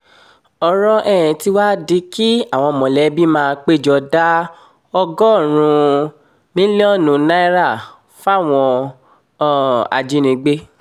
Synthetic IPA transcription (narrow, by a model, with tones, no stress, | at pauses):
ɔ˧ɾɔ˦ʔɛ˦˨ɛ̃˨ti˧wa˦di˧˦ki˦a˦˨w̃ɔ̃˧mɔ̃˨lɛ˨˦bi˦mãː˦˧k͡pe˦˨d͡ʒɔ˧da˦ | ɔ˧ɡɔ˦˨ɾ̃ũ˧ | nĩ˦li˦ɔ˦˨nũ˧na˦i˦ɾa˦˨ | fa˦˨w̃ɔ̃˧˦˨ | a̰˧d͡ʒi˨˦nĩ˧ɡ͡be˦